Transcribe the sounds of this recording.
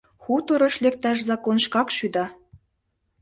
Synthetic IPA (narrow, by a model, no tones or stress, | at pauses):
xut̪ŏɾɤ̆ʃlek̚t̪æʃ̬zɑkonʃkɑkʃyd̪ɑ